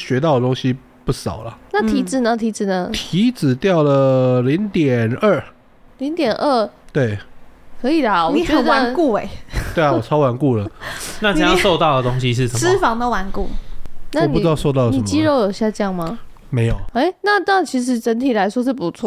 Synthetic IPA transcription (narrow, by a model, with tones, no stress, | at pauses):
ɕɥɛ˧˥t̪̬ɑ˥˩ʊd̪ə˩t̪o˥ŋɕi˦ | pu˥˩ʂɑ˨˩ʊlə˩na˥˩t̪ʰi˧˥t͡sɻ̩˨˩nə˨˩t̪ʰi˧˥t͡sɻ̩˨˩nə˩t̪ʰi˧˦t͡sɹ̩˨˩t̪jɑ˥˩ʊlə˨˩li˧˥ŋt̪jɛ˨˩nə˥˩ | li˧˥ŋt̪jɛ˨˩nʔə˥˩t̪we˥˩ɪkʰɤ˧˥i˨˩lə˦wɔ˨˩t͡ɕɥɛ˧ɛ˧˥d̪əa˧˦nku˥˩e˨˩t̪we˥˩ɪɔ˨˩t͡sʰɑ˥ʊwa˧˦nku˥˩lə˩na˥˩t͡sjɑ˥˧ʂso˥˧ʊt̪ɑ˥˨ʊd̪ə˩t̪o˥ŋɕi˧ʂ̬ɻ̩˥˩ʂə˨s̩˥fɑ˧˦ŋt̪ə˧˥wa˧˥nkṵ˥˩na˥˨˩np̪u˧˥ɑ˥˧ʊso˥˧t̪ɑ˥˩ʊəniə˨˧mt͡ɕi˥˧˥ɻo˥˧ʊjo˨˩ɕja˥˧ʈ͡ʂə˥˧jɑ˥˩ŋma˨˩ | me˧˥ɪjo˨ʊe˥ɪna˥˧na˥˩t͡ɕʰi˧˥ʂ̬ɻ̩˧˥ʈ͡ʂə˧˥nt̪ʰi˨˩la˧˦ɪʂwɔ˥ʂ̬ɻ̩˥˩pu˨˧˦t͡sʰwɔ˥˩